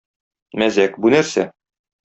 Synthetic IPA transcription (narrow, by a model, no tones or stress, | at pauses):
mæzækbunæɾsæ